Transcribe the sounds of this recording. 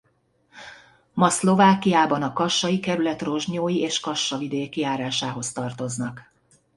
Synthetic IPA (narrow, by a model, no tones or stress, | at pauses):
mɒslo̞vaːkijaːbɒnɒkɒʃːɒjikɛɾylɛt̪ro̞ʒɲoːjiʔeːʃkɒʃːɒvid̪eːkiaːɾaːʃaːɦo̞st̪ɒrt̪o̞znɒk